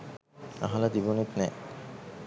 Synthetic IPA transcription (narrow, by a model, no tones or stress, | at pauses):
a̰ɦalad̪ibonit̪nɛ̰ː